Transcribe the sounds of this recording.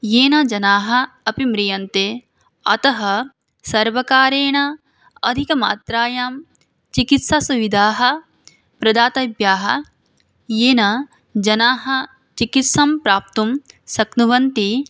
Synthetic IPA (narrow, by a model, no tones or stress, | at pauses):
jeːnɐd͡ʒɐnaːɦɐ̆ɐpimɾijɐnt̪eː | ɐt̪ɐɦɐ | sɐɾʋɐkaːɾeːɳɐ | ɐd̪ʱikɐma̰ːt̪ɾaːjaːm | t͡ʃikit̪sasuʋid̪ʱaːɦɐ̆ | pɾɐd̪aːt̪ɐbjaːɦɐ̆ | jeːnɐ | d͡ʒɐnaːɦɐ̆ | t͡ʃikit̪sɐmpɾaːp̚t̪umsɐknuʋɐnt̪i